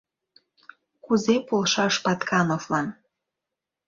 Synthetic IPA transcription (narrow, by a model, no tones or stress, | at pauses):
kuzepolʃɑʃpɑt̪kɑnoflɑn